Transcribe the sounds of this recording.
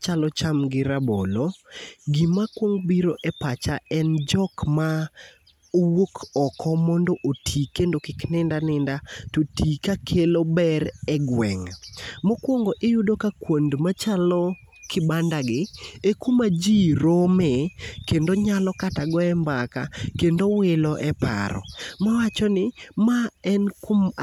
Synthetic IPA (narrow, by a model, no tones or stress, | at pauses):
t͡ʃalɔt͡ʃamɡɪɾaboloɡimakwoŋbiɾoʔɛpat͡ʃaɛnd͡ʒɔkma | owokʰɔkʰɔmɔndoʔotʰikendokɪknɪndanɪndatotikakʰelobɛɾɛɡwɛŋmokwoŋɡoʔejudokakwondmat͡ʃalɔ | kʰɪbandaɡɪekumad͡ʒiɾomɛkendoɲalɔkataɡɔɛmbaka̰kendowɪlɔʔɛpa̰ɾɔ̰mawat͡ʃɔnɪmaɛnkom